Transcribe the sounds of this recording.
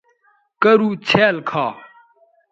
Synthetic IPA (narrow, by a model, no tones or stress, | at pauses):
kɐɾuːt͡ɕʰeːlkʰaː